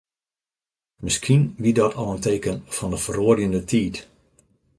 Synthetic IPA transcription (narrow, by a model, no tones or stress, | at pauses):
mɪskʰinʋidɔtʰɔlənteːkənfɔndəfəroərjəndətʰiːt